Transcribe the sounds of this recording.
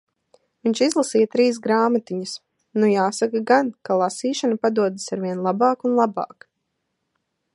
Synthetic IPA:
viɲʲt͡ʃizlˠasiːjɐt̪ɾiːs̬ɡɾaːmat̪iɲus | nujaːsakaɡankalˠasiːʃanapad̪uɔd̪isaɾviɛnlˠabɑːkunlˠabɑ̰ːk

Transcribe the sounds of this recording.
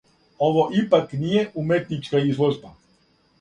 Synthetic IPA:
oʋoʔipaknijeʔumet̪nit͡ʃkaizlˠoʒba

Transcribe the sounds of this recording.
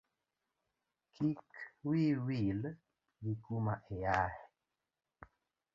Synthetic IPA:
kʰikwiwil | jikumaʔejah

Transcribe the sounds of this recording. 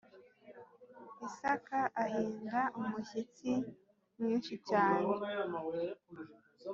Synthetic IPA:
isakaʔahiːŋɡaʔumuçit͡si | mŋiːnʃit͡ʃaːne

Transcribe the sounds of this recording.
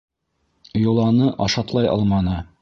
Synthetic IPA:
jolˠɑnɤʔɑʃɑt̪lˠɑjʔɑ̰lˠmɑnɤ

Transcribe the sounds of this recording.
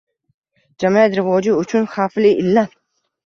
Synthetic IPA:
d͡ʒamiat̪ɾɪvɒd͡ʒɪʊt͡ʃʰʊnχaflɪɪlːa

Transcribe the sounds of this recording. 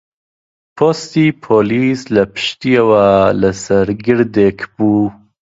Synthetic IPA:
pʰost̪iːpʰoːliːslɐpʰɨ̥ʃt̪iewalasɐɾɡɪɾd̪ekʰb̥uː

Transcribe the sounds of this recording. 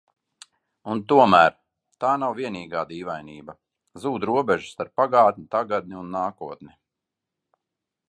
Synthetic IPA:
unt̪uɔmæːɾ | t̪aːnawviɛniːɡaːd̪iːvajniːbɐ | zuːd̪ɾuɔbɛʒu̥st̪aɾpːaɡaːt̪nʲit̪aɡad̪̚nʲiunːaːkuɔt̪ni

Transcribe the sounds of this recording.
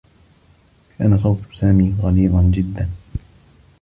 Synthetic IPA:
kaːnas̬ˤɑwt̪saːmiːɣɑliːd̪ˤɑnd͡ʒɪd̪ːan

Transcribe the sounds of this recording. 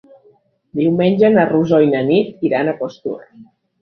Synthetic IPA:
d̪iwmenʲd͡ʒənəruzɔjnənit̪iɾanəkost̪ṵɾə̰

